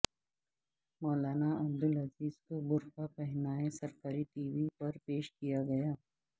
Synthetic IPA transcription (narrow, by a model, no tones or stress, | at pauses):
mɔːlaːnaɐbd̪ʊlɐziːz̥kobʊɾkapɛɦnaːesɐɾkaːɾiʈiːʋipɐɾpeːʃkijaɡɐjaː